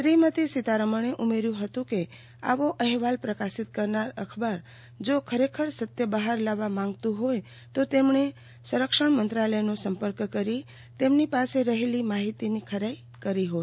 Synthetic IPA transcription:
sɾimət̪isit̪aɾəməɳ̃eʔumeɾjũɦət̪ũke | a̰ʋoʔəɦʋalpɾəkasit̪̚kəɾnaɾəkʰbaɾ | d͡ʒokʰəɾekʰəɾsət̪jəbəɦaɾlaʋamãŋɡt̪ũɦoj | t̪ot̪emɳe | səɾəkʃəɳmənt̪ɾaləjnosəmpəɾkkəɾi | t̪emnipaseɾəɦelimaɦit̪inikʰəɾaj | kəɾiɦo

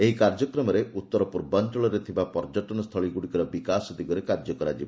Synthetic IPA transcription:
eɦikaɾd͡ʒɔkɾɔmɔɾeʔut̪ːɔɾɔpuɾbant͡ʃɔɭɔɾet̪ʰibapɔɾd͡ʒɔʈɔnɔst̪ʰɔɭiɡuɽikɔɾɔbikasɔd̪iɡɔɾekaɾd͡ʒɔkɔɾad͡ʒibɔ

